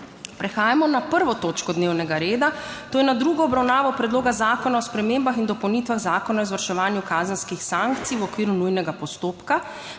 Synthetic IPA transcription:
pɾɛxaːjamɔnapəɾʋɔt̪oːt͡ʃkɔd̪neːwnɛɡaɾeːd̪at̪oːjɛnad̪ɾuːɡɔːbɾawnaːʋɔpɾɛd̪loːɡazaːkɔnaɔspɾɛmeːmbaxind̪ɔpɔwnit̪ʋaɣzaːkɔnaɔzʋaɾʃɛʋaːnjukaːzənskixsaŋkt̪siwɔkʋiːɾunujnɛɡapɔst̪oːpka

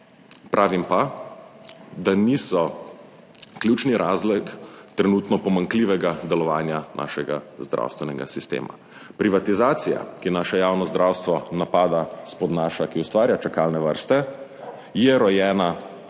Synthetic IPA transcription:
pɾʔaːʋimpa | d̪anisɔ | kljut͡ʃniɾʔaːzlɛkt̪ɾɛnuːt̪nɔpɔmaŋkliʋɛɡad̪ɛlɔʋaːnjanʔa̰ːʃɛɡa̰zd̪ɾa̰wst̪ʋɛnɛɡa̰sist̪ḛːma̰ | pɾiʋat̪izaːt̪sija̰kinaːʃɛjaːwnɔzd̪ɾawst̪ʋɔnapaːd̪aspɔd̪naːʃakiust̪ʋaːɾjat͡ʃɛkaːlnɛʋə̰ɾst̪ɛ | jɛɾɔjɛːna

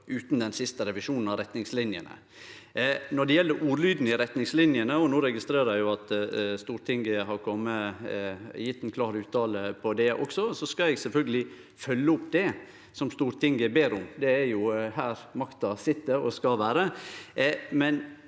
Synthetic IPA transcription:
ʔʉːt̪nd̪ɛnsɪst̪əɾɛʋɪʂuːnn̩ɑɾɛt̪nɪŋslɪnjə̰nə̰ | nɔɖɛjɛlːəɾʔuːɾlyːd̪nɪɾɛt̪nɪŋslɪnjənəɔnoːɾɛɡɪst̪ɾeːɾəæɪjʊɑt̪st̪uːɾt̪ʰɪŋɡəɦɑɾkʰɔmːə | jɪt̪ːɛnkʰlɑːɾʉːt̪ɑːləpʰɔd̪ɛʔɔ̰ksɔsɔskɑɛɡsɛlfœlɡəlɪ | fœlːəʊpːd̪ɛ | sɔmst̪uːɾt̪ʰɪŋɡəbeːɾʊmd̪ɛːɾjʊhæːɾmɑkt̪ɑsɪt̪ːəɾɔ̰skɑʋæːɾə | mɛn

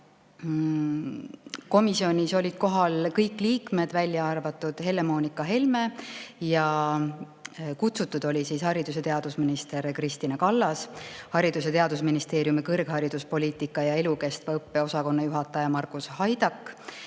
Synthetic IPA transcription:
ko̞misio̞nʲiso̞lʲid̪̥̚ko̞ɦɑlkɤjkːˑliːkme̞d̪̥vælʲjɑɑrvɑt̪ːˑud̪̥he̞lːemo̞ːnikːˑɑɦe̞lme̞jɑ | kut̪sut̪ːˑud̪o̞lʲisishɑɾid̪̥use̞t̪e̞ɑd̪̥usminist̪e̞ɾkrist̪inɑkɑlːɑshɑɾid̪̥use̞t̪e̞ɑd̪̥usminist̪e̞ːɾjumikɤrɡ̥hɑɾid̪̥uspo̞liːt̪ˑikːˑɑjɑe̞luke̞st̪vɑɤpːe̞o̞sɑko̞nːɑjuɦɑt̪ːˑɑjɑmɑrkˑushɑjd̪̥ɑkˑː

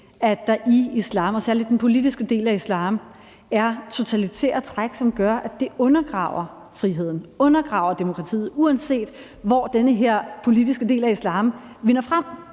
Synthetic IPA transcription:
æ̥d̥ɑ̈ʔiislɑ̈ːmɒ̽sæɐlid̥d̥enpʰo̝lid̥isɡ̥əd̥e̝̰ːlæislɑ̈ːm | æɐt͡sʰo̝t͡sʰælit͡sʰɛ̰ːɐ̰t͡sʰʁaɡ̥sɒ̽mɡ̥ɶɐʔæd̥e̝ɔ̽nɐɡ̥ʁɑ̰̈ʊɐ | fʁiɦe̝ð̞̰ˠn̩ɔ̽nɐɡ̥ʁɑ̈ʊɐd̥e̝mo̝kʰʁɑ̈t͡sʰḭːð̩ˠuænse̝̰ːd̥ | ʋɒ̰d̥enəɦeɐ̰pʰo̝lid̥isɡ̥əd̥e̝̰ːlæislɑ̈ːm | ʋe̝nɐfʁam̰

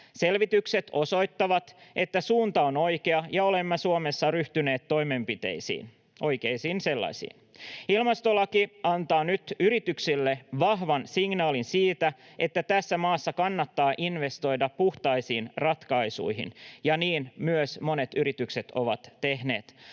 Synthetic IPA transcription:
se̞lʋit̪ykse̞t̪o̞so̞jt̪ːɑʋɑt̪ʔe̞t̪ːæsuːnt̪ɑono̞jkeɑjɑo̞le̞mːɑsuome̞sːɑryht̪yne̞ːt̪tːo̞jme̞mpit̪ḛisḭːn | ʔo̞jke̞ijsiːnse̞lːɑ̰sḭːnilmɑst̪olɑkiɑnt̪ɑːnyt̪yɾit̪yksilːeʋɑɦʋɑnsiŋnɑːlinsiːt̪æ | ʔe̞t̪ːæt̪æsːæmɑːsːɑkɑnːɑt̪ːɑːʔinʋe̞st̪o̞jdɑppuht̪ɑjsiːnrɑt̪kɑjsṵiɦḭnjɑniːnmyøsmo̞net̪yɾit̪ykse̞t̪o̞ʋɑt̪ːe̞ɦne̞̰ːt̪

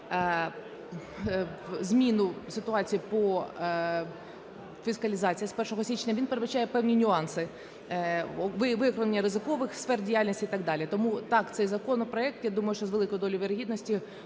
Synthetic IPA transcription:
zʲmʲinʊsɪt̪ʊɑt͡sʲijipɔ | fʲiskɐlʲɪzɑt͡sʲijɐspɛrʃɔɦɔsʲit͡ʃɪ̥nʲɐʋʲinpeɾɪd̪bɐt͡ʃajɛpɛwnʲinʲʊɑnsɪ | ʋɪʋɪkɾenʲːɐɾɪzɪkɔʋɪxsfɛrdʲijalʲnʲisʲiit̪ɑɡd̪ɑlʲit̪ɔmut̪ɑkt̪sɛjzɐkɔnɔpɾɔɛk̚t̪jad̪umɐjʊʃt͡ʃɔzʋelˠɪkɔjd̪ɔlʲʊjʋʲeɾɐɦʲid̪nɔsʲtʲi

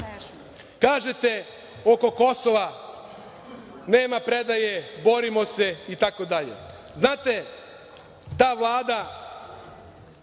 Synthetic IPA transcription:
kaːʒe̞t̪e̞ | o̞ko̞ko̞so̞ʋa | ne̞ːmapɾed̪ajebo̞ɾimo̞se̞it̪ako̞d̪aʎḛ | znaːt̪e̞ | t̪aːʋlˠaːd̪a

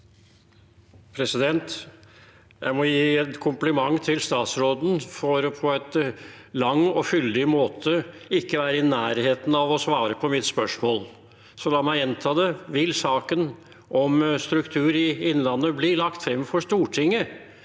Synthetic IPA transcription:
pʰɾɛsɪd̪ɛnt̪ | jæɪmɔjiːɛt̪kʰʊmplɪmɑŋːt̪ʰɪlst̪ɑːt̪sɾoːd̪n̩fɔɾpʰɔɛt̪lɑŋɔfʏld̪ɪmoːt̪ʰəɪkːəʋæːɾəɪnæːɾheːt̪n̩ɑʋɔsʋɑːɾəpʰɔmɪt̪spœʂmoːl | sɔlɑːmæɪɛnt̪ʰɑːd̪ɛʋɪlsɑːkən | ʔɔmst̪ɾʉkt̪ʰʉːɾɪɪnːlɑnːəblɪɭɑkt̪fɾɛmːfɔʂt̪uːʈʰɪŋːə

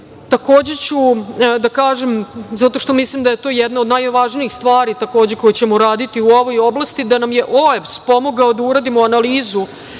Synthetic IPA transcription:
t̪ako̞ːd͡ʑe̞t͡ɕud̪akaːʒemzat̪o̞ʃt̪o̞mislimd̪ajet̪o̞ːjɛd̪naod̪najoʋaːʒniixst̪ʋaːɾit̪ako̞ːd͡ʑe̞ko̞jet͡ɕemoɾaːd̪it̪iuo̞ʋo̞jo̞blˠast̪id̪anamje̞ʔoepspo̞moɡaod̪auɾad̪imoanaliːzu

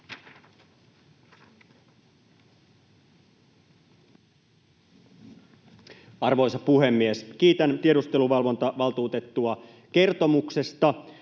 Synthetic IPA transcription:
ɑrʋo̞jsɑpuɦe̞mːiesk̟iːt̪ænt̪ieɾust̪e̞luʋɑlʋo̞nt̪ɑʋɑlt̪uːt̪e̞t̪ːuɑ | ke̞rt̪o̞mukse̞st̪ɑ

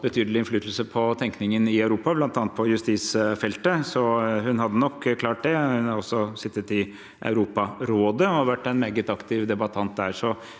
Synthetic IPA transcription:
bət̪ʰyːd̪əlɪnflyːt̪əl̩səpʰɔt̪ʰɛŋknɪŋənɪɑʉɾuːpɑblɑnt̪ɑːnt̪̚pʰɔjʉst̪iːsfɛlt̪əsɔhʉnɦɑd̪ːənɔkʰːkʰlɑːʈ̚d̪ɛhʉnɑɾɔsːɔsɪt̪ːət̪ɪ | ʔɑ̰ʉɾuːpɑɾoːd̪əɔʋæʈːɛnmeːɡət̪ɑkt̪ʰɪʋd̪ɛbɑt̪ʰɑnt̪̚d̪æːɾʂɔ

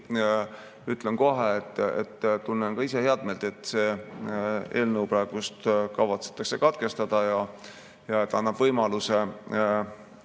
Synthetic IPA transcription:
yt̪lenko̞ɦeet̪ːˑḛt̪ːt̪unːenkɑise̞heɑd̪̚melt̪e̞t̪ːˑse̞ː | e̞̰ːlnəwprɑeɡ̥ust̪kɑvɑt̪se̥t̪ːˑɑkse̞kɑt̪ke̞st̪ɑd̪̥ɑjɑ | jɑet̪ːɑnːɑb̥vɤjmɑluse̞

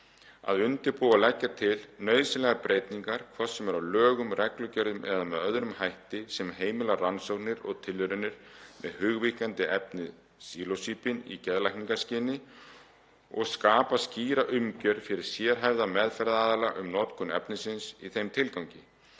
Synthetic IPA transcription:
a̰ðʏnt̪ɪɾpuwalɛcːat̪ʰɪlnœːɥsɪlɛɣapɾejt̪niŋkaɾ̥kʰvɔ̥sɛmɛɾawlœːɣʏmrɛklʏcœɾðʏmʔɛðamɛðœðɾʏmhajht̪ɪsɛmɦeːjmɪlaransownɪɾɔɣt̪ʰɪlːʏɾʏnːɪɾ̥mɛ̰ðhʏɣvihkant̪ɪʔɛpnɪð | siːlosiːpɪnḭcɛðlajhkniŋkascɪːnɪ | ɔ̰ɣskaːpasciːɾaʔʏmcœɾfɪɾɪɾ̥sjɛːɾɦajvðamɛðfɛɾðaaːðalaʔʏmnɔt̪kʏnɛ̰pnɪsɪnsiθejmt̪ʰɪlkawŋcɪ

